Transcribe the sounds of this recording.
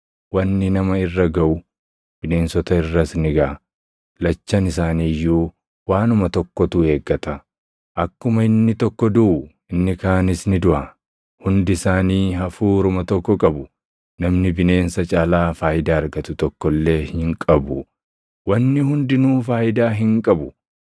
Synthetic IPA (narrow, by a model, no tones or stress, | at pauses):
wɐnːɪnɐmɐɪrːɐɡɐʔʊ | b̥ɪne̞ːnsɔt̪ɐɪrːɐsnɪɡɐ | lɐt͡ʃːɐnɪsaːniːjːuː | waːnʊmɐt̪ɔkːɔt̪ue̞ːɡːɐt̪ɐ | ʔɐkːʊmɐɪnːɪt̪ɔkːɔd̪ʊʔʊ | ɪnːɪkaːnɪsnɪd̪ʊʔɐ | hʊnd̪ɪɪsaːniːɦɐfuːɾʊmɐt̪ɔkːɔkʼɐbʊ | nɐmnɪbɪne̞ːnsɐt͡ʃʼaːlaːfaːʔɪd̪aːɐɾɡɐt̪ʊt̪ɔkːɔlːe̞ːhɪŋkʼɐbʊ | wɐnːɪhʊnd̪ɪnuːfaːjɪd̪aːɦɪŋkʼɐbʊ